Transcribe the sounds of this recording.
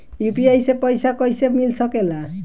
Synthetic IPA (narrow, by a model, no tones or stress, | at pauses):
ipiajsepɔjsakɔjsemilsɔkela